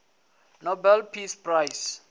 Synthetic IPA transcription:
nobɛlpʰisprajs

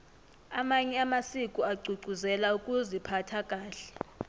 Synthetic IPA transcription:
amaɲɛamasikʼuaɡ͡ǀʱuɡ͡ǀʱuzɛlaukʼuzipʰatʰakʼaːɬɛ̥

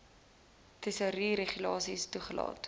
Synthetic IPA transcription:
təsəɾiɾeχylɑːsistuχəlɑ̰ːt

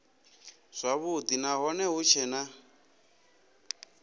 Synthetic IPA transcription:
z̥ʷaβud̪inaɦɔnɛɦut͡ʃʰɛna

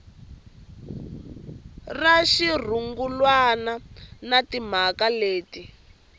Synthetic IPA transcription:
raʃir̤uŋɡulwananatim̤akaleːti

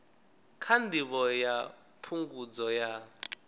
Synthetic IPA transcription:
kʰandʱiβɔja | pʰuŋɡud͡zɔja

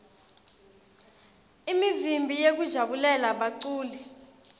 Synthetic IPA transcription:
imizimbʱijek̬ud̥ʒ̥ʱaɓulɛlaɓaǀuːlɛ

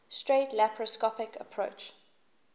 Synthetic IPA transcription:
stɹeɪtlæpʰɹɔskɔpɪkəpʰɹoʊt͡ʃ

